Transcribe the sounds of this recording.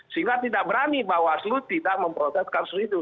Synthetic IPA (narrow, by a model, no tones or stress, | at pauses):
siŋɡat̪idaʔ̚bəɾanibawaslut̪idaʔməmpɾɔt̪ɛskansid̪u